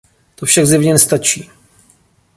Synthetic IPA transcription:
t̪ofʃaɡzjɛvɲɛnɛst̪at͡ʃiː

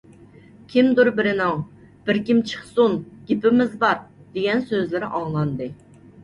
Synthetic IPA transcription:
kʲʰimd̪uɾbɪɾɪnɪŋ | b̥ɪɾkʲimt͡ʃʰə̥χsunɡʲɪpɪmɪzbɑɾd̪̥eɡʲɛnsøzlɪɾɪʔɑŋlˠɑnd̪ɨ

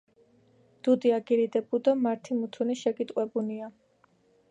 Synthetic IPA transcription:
d̪̥ud̪iaɡiɾid̪ɛbud̪amaɾt̪ʰimut̪ʰuniʃɛkʼit̪ʼqʼwɛbunia

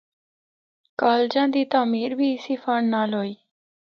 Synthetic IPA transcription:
kaːld͡ʒãːd̪iːt̪aːmiːɾbʱiːsiːfəɳnaːloːiː

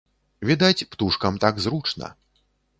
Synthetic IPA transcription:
vʲid̪at͡sʲpt̪uʂkɐmt̪aɡzɾut͡ʂnɐ̰

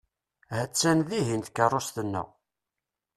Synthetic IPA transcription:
hæt͡sːænðiɦint̪kərˤːost̪ənːʊ̰

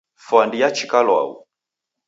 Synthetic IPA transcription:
fandijat͡ʃikalwa̰ṵ

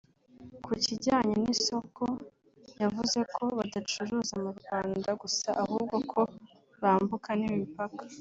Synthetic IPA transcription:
kʰuciɟaːɲeniso̞ko | javuze̞kʰo̞βadat͡ʃuɾuːzamuɾɡwaːndaɡusaʔahuːb̚ɡo̞kʰo̞ | βaːmbukanimipakḁ

